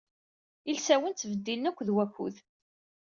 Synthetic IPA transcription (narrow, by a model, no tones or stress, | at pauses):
ilsæwənθvəd̪ːilnækʷːðwækːṵð